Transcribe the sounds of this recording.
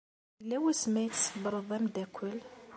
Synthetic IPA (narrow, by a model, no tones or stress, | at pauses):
lːæwæsmæjət͡sːsfbɾˤəðˤæmd̪ækʷʰːəl